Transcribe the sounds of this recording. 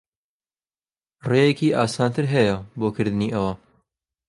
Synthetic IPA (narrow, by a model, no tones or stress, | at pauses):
reːjekiːʔaːsaːnt̪ʰɨɾɦɛjɐboːkʰɨɾd̪ɨniːʔɐwɐ